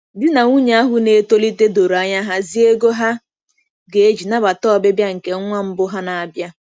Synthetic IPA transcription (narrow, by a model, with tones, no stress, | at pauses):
dɪ˦na˨ŋu˦ɲe˦a˦ɦʊ˦ne˨˦to˦li˦te˦do˨ɾa˦ɲa˦ɦa˦zi˦e˦ɡo˦ɦa˦ | ɡe˨e˦d͡ʒi˨na˦ba˨tɔ˦˨be˦bja˦ŋ̩˨ke˨ŋ˦ŋʷa˦m̩˦bʊ˦ɦa˦na˨a˨bja˦